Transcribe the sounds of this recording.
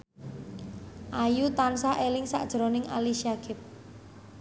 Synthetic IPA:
ʔajut̪ansaʔelɪŋsa̰ʔd̥ʒ̥ɾonɪŋa̰liʃiaɡ̥ɪp̚

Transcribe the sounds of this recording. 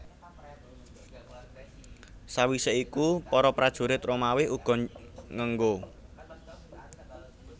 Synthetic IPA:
sawiseikupɔɾɔpɾad̥ʒ̥ṳɾɪt̪romawɪuɡ̥ɔ̤ŋəŋɡo

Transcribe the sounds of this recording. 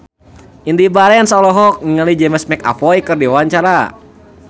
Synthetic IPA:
indibaɾɛnsɔlɔɦɔk̚ŋiŋalid͡ʒɛmsmɛka̰pɔikɨrdiwaaɲt͡ʃaɾa

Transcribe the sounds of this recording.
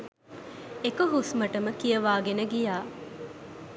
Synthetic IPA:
ekəɦusməʈəməkijəʋaːɡenəɡijaː

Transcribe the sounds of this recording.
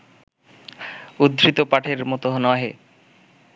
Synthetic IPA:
ud̪ɾit̪opaʈʰeɾmɔt̪oɦnɔɦe

